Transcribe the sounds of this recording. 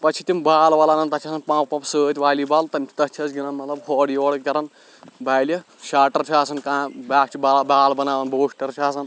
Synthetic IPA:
pɐt͡ʃʰit̪imbaːlʋɐlanɐnt̪ɐt͡ʃʰaːsɐnpãːppɐ̃psəːt̪ʲʋaːliːbaːlt̪ɐmʲt͡ʃ̪ʲʰi̥t̪ɐt͡ʃʰɐt͡sɡʲinɐnmɐt̪lɐb̚hʰɔːɽiʋɔɽkʲɐɾɐn | baːljɐ | ʃaːʈɐɾt͡ʃʰiaːsɐnkãːbaːkt͡ʃʰibaːlbaːlbɐnaːʋɐnboːʂʈɐɾt͡ʃʰiaːs̬ɐn

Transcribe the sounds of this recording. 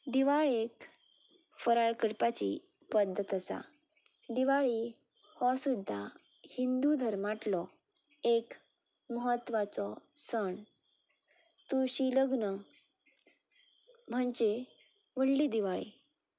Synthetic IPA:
d̪iʋaɭek | fəɾaɭkəɽpat͡ɕḭ | pəd̪ʱːət̪əsa̰ | d̪iʋaɭi | hɔsud̪ʱːa | hind̪ud̪ʱəɾmaʈlɔ | ek | məɦət̪ːʋat͡sɔsəɳ | t̪uɕiləɡnə | m̤əɳd͡ʑeʋəɽlid̪iʋaɭḭ

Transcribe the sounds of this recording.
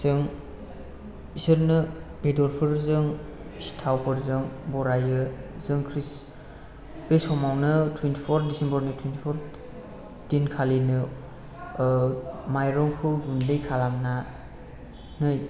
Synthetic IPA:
zɯŋ | isɯɾnɯbedɔɾpʰɯɾzɯŋsi̥tʰawpʰɯɾzɯŋbɔɾajɯzɯŋkʰɾis | b̥esɔmawnɯtʰwentʰipʰɔɾt̚disembəɾnɯtʰwentʰipʰɔɾ | dinkʰalinɯ | majɾɔŋkpʰɯɡundɯjkʰalamna | nɯj

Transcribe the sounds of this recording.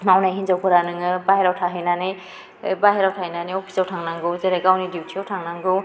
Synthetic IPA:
nawnajɦinzawkʰɔɾanɯŋɯbaɦeɾawtʰaɦinani | baɦeɾawtʰahijnaniopʰi̥sawtʰaŋnaŋɡɯwzeɾeɡawnidiutʰiawtʰaŋnaŋɡɯw

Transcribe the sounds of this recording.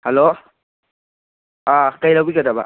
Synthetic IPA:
helo | akɐjlawbiɡɐdɐba̰

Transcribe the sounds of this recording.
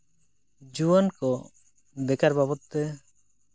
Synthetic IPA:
d͡ʒuankɔ | d̪ɛkaɾbabɔt̪ːɛ

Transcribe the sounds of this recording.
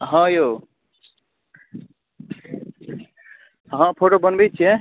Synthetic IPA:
ɦʌ̃jo | ɦãpʰoʈobʌnbejt͡ʃʰe

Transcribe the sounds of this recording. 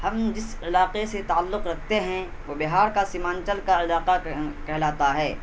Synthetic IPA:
hɐmd͡ʒɪs | ɪlaːqeset̪aːalːʊqɾɐkʰt̪eɦɛ̃ | ʋobɪɦaːɾkasimãːnt͡ʃəlkaɪlaːqakɛɦlaːt̪aɦɛː

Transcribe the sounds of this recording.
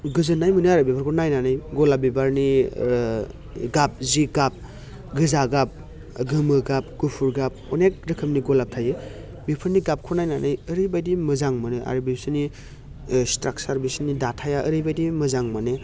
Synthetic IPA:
ɡɯzɯnːajmɯneaɾɯbipʰɯɾkʰonajnanɯjɡɔlabibaɾni | ɡap̚ziɡap̚ | ɡɯzaɡap̚ | ɡɯmɯɡap̚ɡ̥upʰuɾɡap̚ɔnek̚ɾɯkʰɯmniɡɔlap̚tʰaje | bipʰɯɾniɡap̚kʰonajnanʔɯjəɾɯjbajdimɯzaŋmɯnɯʔa̰ɾɯbisɯni | stɾak̚saɾbisɯnidatʰajaʔəɾɯjbajdimɯzaŋmanɯ

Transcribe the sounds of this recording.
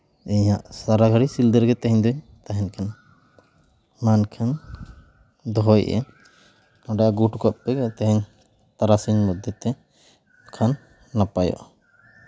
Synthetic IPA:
iɲaʔsaɾaɡʱaɾisild̪əɾɡɛt̪ɛɦɛɲd̪ɔɲ | t̪aɦɛnkʰan | mankʰan | d̪ɔɦɔjʔɛ̰ | ɔɖajaɡuʈkɔʔpɛɡat̪ɛɦɛɲ | t̪aɾasiɲmɔd̪jɔt̪ɛ | kʰanː | apajɔ̰ʔ

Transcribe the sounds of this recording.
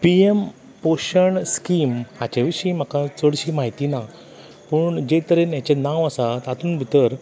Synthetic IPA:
piem | poɕəɳskimhat͡ɕeʋiɕim̤akat͡səɽɕiːmaɦit̪ina | pəɳd͡ʑet̪əɾenjat͡ɕenãʋasat̪at̪uːnbʱit̪əɾ

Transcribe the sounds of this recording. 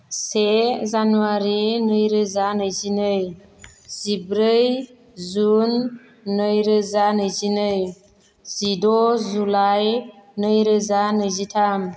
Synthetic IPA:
sezanuwaɾenəjɾezanəzinəj | z̥ibɾəj | zunː | əjɾezanəzinəj | zidozulajnəjɾezanəzitʰam

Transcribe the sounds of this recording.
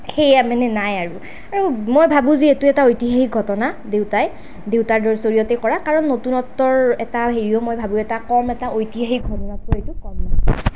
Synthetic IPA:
xejamanɛnajaɹu | aɹumojbʱabũzietuɛtaojtiɦaɦik̚ɡʱɔtɔnadewtaj | dewtaɹdɔɹsoɹijɔtɛkɔɹakaɹɔnːotunɔtːɔɹɛtaɦeɹijɔmojbʱabũɛtakɔɹmɛtaʔojtiɦaɦik̚ɡʱɔtɔnatʊetukɔmna̰

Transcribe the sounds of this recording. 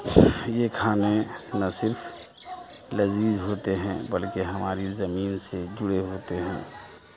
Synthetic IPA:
jekʰaːnenɐsɪɾpʰ | lɐziːzɦoːt̪eɦɛ̃bəlkeɦɐmaːɾizɐmiːnsed͡ʒʊɽeɦoːt̪eɦɛ̃ː

